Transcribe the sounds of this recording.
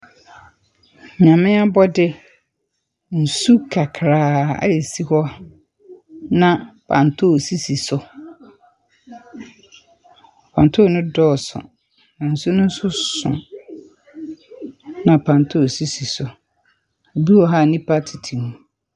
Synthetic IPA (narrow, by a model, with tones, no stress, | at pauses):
ɲã˨mɪ̃˦a˦bɔ˦dɪ˦ | n̩˨su˦kʰa˨kʰɾaː˨a̰˦e˨si˦hɔ˦ | nã˨pʰã̰˨ntʰo˦˨si˦si˨sʊ˨ | pʰã˨n˨tʰʊ˦˨nʊ̃˦dɔː˦˨sʊ̰˨ | nã˨n̩˨su˦nʊ̃˦n̩˦sʊ˦sʊ̰̃˨ | nã˨pʰã˨ntʰo˦o˨si˦si˨sʊ˨ | o˨bi˦wɔ˦ɦa˦˨nĩ˦pʰa˦tʰi˨tʰĩ˨mũ˨